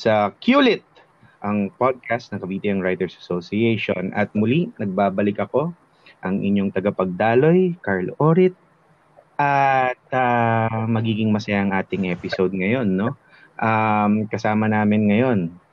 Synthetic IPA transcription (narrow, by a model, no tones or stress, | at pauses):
sɐkjuːlɪt̪̚ | ʔɐŋpod̪̚kast̪nɐŋkɐbiːt̪ɪnɐŋɹajt̪ɛɹsɐsosɪɛjʃonʔɐ̰t̪̚mʊlinɐɡ̚baːbɐlɪkɐko̞ | ʔɐŋʔɪ̰ɲːo̞ŋt̪ɐɡɐpɐɡ̚d̪aːlo̞jkaɹlʔoɾɪt̪̚ | ʔɐt̪̚ɐmɐɡiːɡɪŋmɐsɐjaʔɐŋʔaːt̪ɪŋʔɛːpɪsowd̪̚ŋɐjo̞nːo̞ | ʔamkɐsaːmɐnaːmɪnŋɐjo̞n